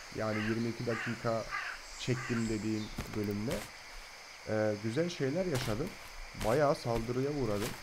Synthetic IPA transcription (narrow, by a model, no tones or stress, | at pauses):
jʔaːnijiɾmiːcʰid̪akʰiːkʰa | t͡ʃʰɛc̚t̪imd̪e̞d̪iːnbø̞lʲymlʲɛ | ɛːɟyzælʲʃe̞jlʲæɾjaʃad̪ɯm | bajaːsalˠd̪ɯɾɯjauɾad̪ɯm